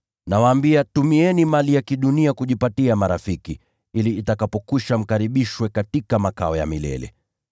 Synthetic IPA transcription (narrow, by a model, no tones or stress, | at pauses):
nawaːmbiatumiɛnimalijakiɗuniakuʄipatiamaɾafiki | iliːtakapɔkuʃam̩kaɾiɓiʃwɛkatikamaka̰ɔja̰milɛ̰lɛ̰